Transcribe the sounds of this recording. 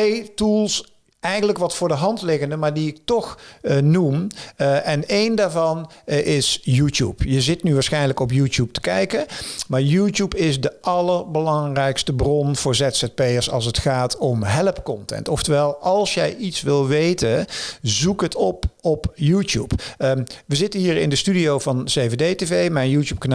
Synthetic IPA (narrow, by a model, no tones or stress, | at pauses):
tejtulˠs | ʔɛjxənləkʋɑtfʊːɹdəɦɑntlɪɣəndəmaːɹdiɪk̚tɔxnumʔɛnejndaːɹvɑnʔɪsjuːtjṵpjəzɪtnyʋaːɹsxɛjnləkɔp̬juːtjup̚tə̥kɛjkənmaːɹjuːtjupɪsdəʔɑləɹbəlɑŋrɛjkstəbrɔnv̥ʊːɹzɛtsɛt̚pejəɹsɑ̰lˠs̬ətχaːtɔmɦɛləpkɔntɛ̰ntɔftəʋɛlˠɑlˠsjɛjʔitsʋɪlˠʋejtənzukɦətɔpɔpjuːtjṵp | ʋəzɪtənɦiːɹɪ̰ndəstydiowvɑnzejvedejtevejmɛjnjuːtjuːp̚kan